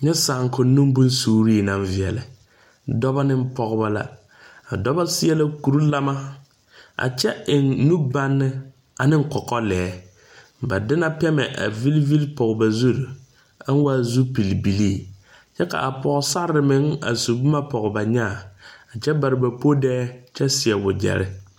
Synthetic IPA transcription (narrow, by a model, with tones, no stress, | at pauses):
ɲɛ˦saː˨ŋkʊ˨˦nːũ˦m˦bu˦n˦suː˦˨ɾi˦˨nã˨ɱvɪ˨ɛ˨lɪ˨ | dɔ˦ba˦nɪ˦m˦pɔ˦ɣba˦la̰˦ | a̰˨dɔ˦ba˦sɪ˦ɛ˦la˦ku˨ɾu˦la˦ma˦ | a̰˨t͡ʃɛ˦ɪ˨nːu˦ba˦nːɪ˦ | a˨nɪ˦ŋ̩˦kɔ˨kɔ˦lɛː˨˦ | ba˨dɪ˦na˦pɛ˦mɛ˨ʔa̰˨vi˦lvi˦lpɔ˨ɡba˨zu˦ɾ | a˦n˦wa˦˨zu˦pi˨lbi˨liː˦˨ | t͡ʃɛ˦ka̰˨ʔa˨pɔ˨ɣʊ˨sa˦ɾɾɪ˨mɪ˨˦ŋa̰˨su˨bu˦ma˦pɔ˨ɣʊ˨ba˨ɲaː˦˨a˨t͡ʃɛ˦ba˨ɾɪ˨ba˨po˦dɛː˦t͡ʃɛ˦sɪ˨ɛ˨bʊ˨d͡ʒɛ̰˨ɾɪ̰˦